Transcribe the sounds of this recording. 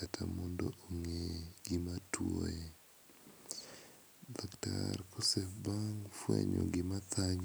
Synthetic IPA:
atʰamɔndɔʔoŋeɡɪmatwoe | daktarkɔsɛfbaŋfweɲoɡɪmat̪aɲ

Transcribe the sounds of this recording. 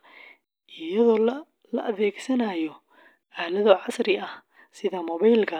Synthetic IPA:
ʔɪjɐðɔː | lɐ̰ʔɐðɛːɡsɐnaːjɔ | ʔaːlɐðɔːʕɑsɾɪɐh | sɪðɐmɔβɛjlkʰɐ

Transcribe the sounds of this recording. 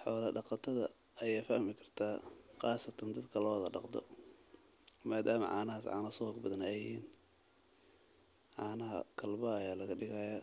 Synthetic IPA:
ħɔ̰ːðɐɖɑqɑt̪ʰɐðɐ̰ | ɐjaːfɐhmɪkʰɐ̥rt̪ʰaːqɑːsɐt̪ʰɐnd̪ɐd̪kʰɐlɔːðɐɖɑqd̪ɔ̰ | maːd̪aːmɐ̰ʕɑ̰ːnɐɦaːsʕɑ̰ːnɐsɔːɡbɐðɐnɛjɪhiːn | ʕɑːnɐɦɐ̰kʰɐlbɐːjaːlɐɣɐɖɪɣɐjaː

